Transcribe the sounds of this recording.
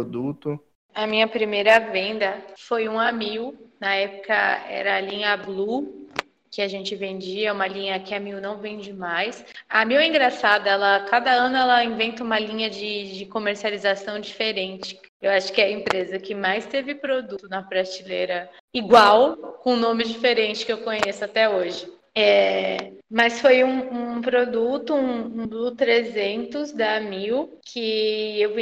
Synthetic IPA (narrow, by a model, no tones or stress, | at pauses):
od̪ut̪ʊ | ɐmĩɲɐpɾimejɾɐvẽnd̪ɐfojũamiɡʊnɐɛpʊ̥kɐ̰ɛ̰ɾɐːlĩɲɐblu | kɪaʒẽnt͡ʃɪvẽnd͡ʒiɐũmɐlĩɲɐkɪamiɡwnɐ̃w̃vẽj̃d͡ʒɪmajsɐmiwɐĩŋɡɾasad̪ɐɛlɐkad̪ɐɐ̃nʊɛlɐĩvẽnt̪ɐũmɐlĩɲɐd͡ʒɪd͡ʒɪkomeɾsializasɐ̃w̃d͡ʒifeɾẽnt͡ʃɪ̥ | ewaʃʊ̥kɪɛɐẽmpɾezɐkɪmajst̪evɪpɾod̪ut̪ʊnɐpɾaɾt͡ʃileɾɐ | iɡwawkõnõmɪd͡ʒifeɾẽnt͡ʃɪ̥kɪewkõɲesʊat̪ɛoʒɪ | ɛ | mɐsfojũũpɾod̪ut̪ʊũũd̪ʊt̪ɾezẽnt̪ʊzd̪ɐmiwkʰɪew